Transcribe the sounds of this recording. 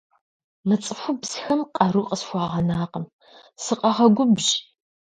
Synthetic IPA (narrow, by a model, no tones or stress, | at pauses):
mɨt͡sʼɨfʷʊbzsxɐmqʼɐɾuqʼəsxʷɑːʁɐnaːqəm | sɨqʼɐʁɐɡʷʊbʒ